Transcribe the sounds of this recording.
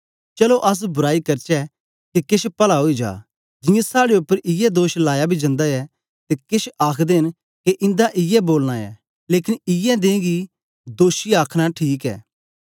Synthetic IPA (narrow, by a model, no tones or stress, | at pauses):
t͡ʃɐloʔɐs̬bʊɾaːikɐɾt͡ʃɛ | kekɪʃpɐlaɦoːid͡ʒa̰ː | d͡ʒɪ̃jẽsaːɽeʊpːəɾʔɪjɛd̪oːʃlaːjabʱid͡ʒɐ̃nd̪aɛ | t̪ekɪʃaːkʰd̪eɪn | keʔɪ̃nd̪aʔɪjɛboːlñaɛ̰ | leːkɪnɪjɛd̪ẽːɡi | d̪oːʃiaːkʰɽ̃aʈʰiːkɛ̰ː